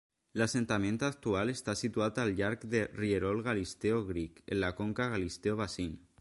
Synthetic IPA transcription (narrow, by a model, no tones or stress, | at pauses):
lasent̪amẽnt̪ak̚t̪ualest̪asit̪uat̪alʎaɾkd̪erieɾolɣalist̪eoɣɾikḛnlakoŋkaɣalist̪eoβasin